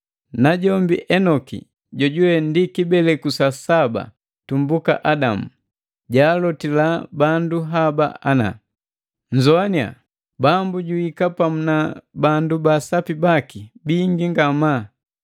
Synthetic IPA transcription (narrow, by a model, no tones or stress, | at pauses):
naɟɔmbḭʔɛnɔkḭ | ɟɔɟuwɛndikibɛlɛkusasaba̰ | tumbuka̰ʔadamu | ɟaːlɔtilabanduɦaba̰ana̰ | ɲ̩d͡ʒɔania̰ | bambuɟuikapamunabandubasapibakibiŋɡiŋɡama